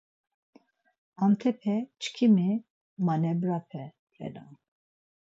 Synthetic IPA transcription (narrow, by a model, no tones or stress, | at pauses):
amt̪ʰɛpʰɛt͡ʃʰkʰimi | manɛbɾapʰɛ | ɾɛ̰la̰n